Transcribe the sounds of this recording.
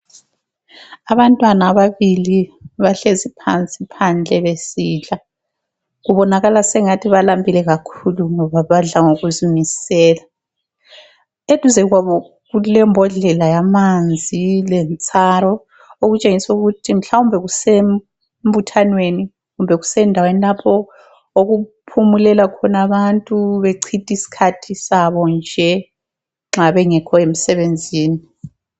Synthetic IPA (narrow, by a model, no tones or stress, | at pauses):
aβantʼwanaːβaβiliβaɬezipʰant͡sʼipʰand͡ɮʱɛβesiːɮa | ɣuβɔnaɣalasɛŋatʰiβalambʱilɛɣakʰuluŋɔβaβaɮaŋoɣuzimisɛːla | ed̥ʱuzɛɣwaβɔ | ɣulɛmbʱɔɮɛlajamand͡zʱilɛnt͡sʼaɾɔ | oɣut͡ʃʼeŋisuɣutʰim̩ɬaumbʱɛɣusem | mbutʰanweni | ɣumbʱɛɣusɛndʱawenilapʰɔ | oɣupʰumulɛlakʰɔnaβantʼuβeǀʰitʼisi̥kʰatʰisaβɔnd͡ʒʱɛ | ŋ͡ǁaβɛŋɛkʰɔem̩sɛβend͡zʱiːni